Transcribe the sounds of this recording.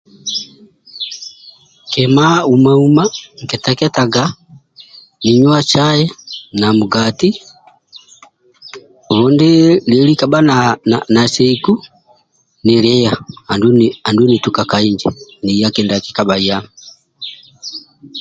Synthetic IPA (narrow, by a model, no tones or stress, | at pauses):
kɛmaumaumaŋkɛtakɛtaɡa | niɲwat͡ʃajɛnamuɡati | βɔndɛlɛlikabanananasɛiku | nilɛjahanduandunitukakaiɲd͡ʒɛ̰nijakɛndaki̥kabaiami